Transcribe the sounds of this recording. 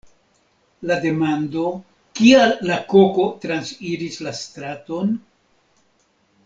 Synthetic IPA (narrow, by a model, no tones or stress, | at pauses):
lade̞mando̞ | kialːako̞ko̞tɾansfiɾislastɾato̞n